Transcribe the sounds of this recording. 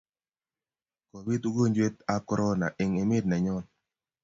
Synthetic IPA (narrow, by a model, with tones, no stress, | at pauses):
ko˨wi˦t̪u˦ɡo˦ɲd͡ʒwe˦t̪a˦kɔ˦ɾɔ˦na̰˨ʔɪ˨ŋe˨mɪ˦d̚na˨ɲɔ˦n